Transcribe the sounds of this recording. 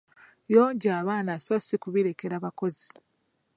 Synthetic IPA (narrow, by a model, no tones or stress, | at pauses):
joːɲɟaːβaːnasosikuβiɾe̞ke̞ɾaβako̞zi